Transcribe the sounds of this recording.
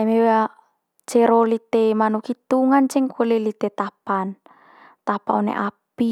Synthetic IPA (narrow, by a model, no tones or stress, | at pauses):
amewa | t͡ʃeɾolit̪emanukit̪uŋant͡ʃɛŋkʰolelit̪et̪apan | t̪apaonḛʔapi